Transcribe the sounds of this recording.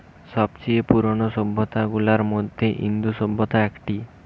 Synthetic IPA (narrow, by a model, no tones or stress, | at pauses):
sɔbt͡ʃiepuɾoɽɔsobːɔt̪aɡulaɾmod̪ʱjeʔḭnd̪usobːɔt̪aɛkʈi